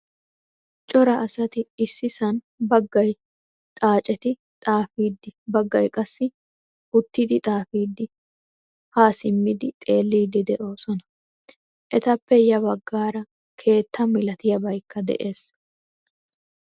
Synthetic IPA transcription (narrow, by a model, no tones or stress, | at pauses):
t͡ʃʼɔɾɐʔːsɐt̪ɪɪsːɪsɐn | bɐɡːɐj | t̪ʼaːt͡ʃʼɛt̪ɪ | t̪ʼaːfiːd̪ːɪbɐɡːɐjkʼɐsːɪ | ʔʊt̪ːid̪ɪt̪ʼaːfiːd̪ːɪ | haːsɪmːɪd̪ɪt̪ʼe̞ːlːiːd̪ɪd̪ɛʔo̞ːsɔnɐ̥ | ʔɛt̪ɐpːɛjɐbɐɡːaːɾɐ | kʰe̞ːt̪ʰːɐmɪlɐt̪ɪjɐbɐjkʰːɐd̪ɛ̰ʔe̞ːs